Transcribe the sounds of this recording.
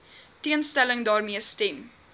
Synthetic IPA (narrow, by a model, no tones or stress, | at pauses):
tiənstæləŋdɑːrmiəstɛm